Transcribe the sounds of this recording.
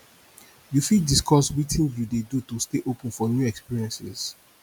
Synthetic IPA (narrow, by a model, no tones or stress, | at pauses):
jufidiskɔswitĩnjudedutusteʔopə̃nfɔnjuɛkspiɹiɛ̃nsɪ̰z̥